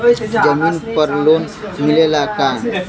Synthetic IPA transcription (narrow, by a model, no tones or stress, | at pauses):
d͡ʒəminpəɾlon | milelakan